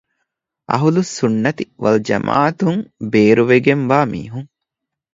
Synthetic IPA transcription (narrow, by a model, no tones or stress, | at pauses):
ɐ̰ɦulusunːɐt̪iʋɐld͡ʒɐ̰mʔa̰ːɐt̪uŋbeːɾuʋeɡemʋaːmḭːɦuŋ